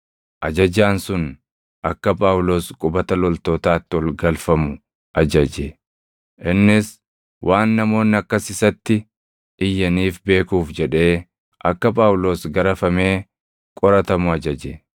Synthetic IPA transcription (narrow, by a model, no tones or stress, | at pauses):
ʔɐd͡ʒɐd͡ʒaːnsʊn | ʔɐkːɐpʼaːwlo̞ːskʼʊbɐt̪ɐlɔlt̪o̞ːt̪aːt̪ːɪwɔlɡɐlfɐmʊ | ʔɐd͡ʒɐd͡ʒe | ʔɪnːɪs | wʔaːnːɐmo̞ːnːɪɐkːɐsɪsɐt̪ːɪ | ɪjːɐniːfbe̞ːkuːfd͡ʒɛᶑe̞ː | ʔɐkːɐpʼaːwlo̞ːsɡɐɾɐfɐme̞ː | kʼɔɾɐt̪ɐmʊɐd͡ʒɐd͡ʒe